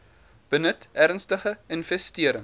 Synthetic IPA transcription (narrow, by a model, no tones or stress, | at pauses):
b̥ənətæɾnstəχəinvɛstiəɾəŋ